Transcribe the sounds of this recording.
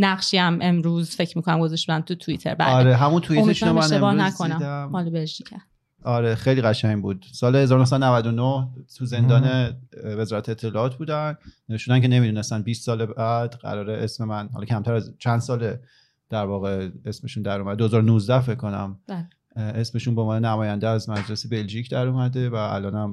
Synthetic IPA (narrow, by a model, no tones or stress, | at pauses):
næʁʃiæmʔe̞mɾuzfe̞cʰɾmiːkʰonæmɡozeʃtod̪ænt̪ʰut̪ʰuit̪ʰeɾbæ̰ɒɾeɦæmunt̪ʰuimeʃunomeænebɒːnækʰonæmæmhɒːlɔbeʒicʰæɾd | ʔɒɾexejliɣæʃæɲbuːd̪̥sɒːlehe̞zɒːɾonohsæd̪onævæd̪onoht̪ʰuze̞nd̪ɒːnevezɒːɾæt̪ʰeːt̪ʰːe̞lɒːɒːt̪̚ʰbuːd̪ænneeʃud̪æncʰe̞ne̞mid̪uːne̞st̪æn̚biːst̪sɒːlebæd̪ɢæ̰ɾɒːɾeʔesmemænhɒlɒcʰæmt̪ʰæɾæzt͡ʃʰænd̪̥sɒːle | d̪̥æɾvɒːɣe̞esme̞ʃund̪æɾomæd̪ed̪oezɒːɾonuzd̪æfeckʰkːo̞næ̰m | ʔe̞sme̞ʃunbeonɒːnenæmɒːjænd̪eæzmæd͡ʒle̞sebe̞lʒiːcʰd̪æɾomæd̪e̞vææ̰lɒːnæm